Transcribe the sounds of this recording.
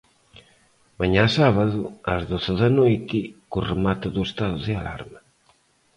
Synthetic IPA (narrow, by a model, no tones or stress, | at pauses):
maɲasaβaðuazðoθeðanojt̪ɪkuremat̪uðuest̪aðuðeala̰ɾma